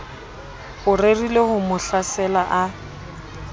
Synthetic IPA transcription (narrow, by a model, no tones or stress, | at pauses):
hʊrerilehʊmʊɬasɛlaʔa